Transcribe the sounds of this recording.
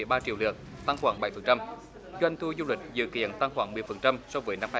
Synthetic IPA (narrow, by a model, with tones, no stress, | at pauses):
əjɓaː˧t͡ɕḭ˧˨wlɨ̰˨˩ək̚t̪a˧ŋxwaː˧˩ŋɓa˨˩˦jfə˨˩nt͡ɕa˧m | zwa˧jŋ̟t̪ʰu˧zu˧lwï˨˩k̟̚zɨ̰˧˨kḭ˧˨ənt̪a˧ŋxwaː˧˩ŋmɨ˨˩əjfə˨˩nt͡ɕa˧msɔ˧wvəː˨˦jna˧mhː